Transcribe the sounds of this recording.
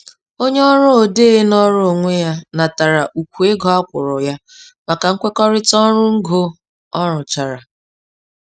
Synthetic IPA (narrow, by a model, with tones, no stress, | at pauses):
o˦ɲe˦ɔ˦ɾʊ˦o˨de˦˨ɦe˦nɔ˦ɾʊ˦o˨ŋʷe˦ja˦na˨ta˨ɾa˨ʔu˨kʷu˨e˦ɡɔ˨a˦kʷʊ˨ɾʊ˨ja˦ | ma˨ka˨ŋ̩˦kʷe˦kɔ˦ɾɪ˦tɔ˦ɾʊ˦ŋ̩˦ɡo˦ | ɔ˦ɾʊ˨t͡ʃa˨ɾa˨